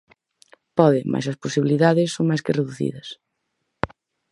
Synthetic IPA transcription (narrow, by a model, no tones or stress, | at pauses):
pɔðɪmʔa̰jsɐsposiβiliðaðɪsːoŋmajskɪreðuθḭðɐs